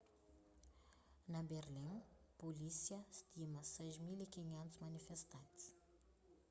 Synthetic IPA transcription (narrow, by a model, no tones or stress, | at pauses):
nɐberlinpolisiɐst̪imɐsɛjʒmilikʲiɲɛnt̪u̥smanifest̪ant̪s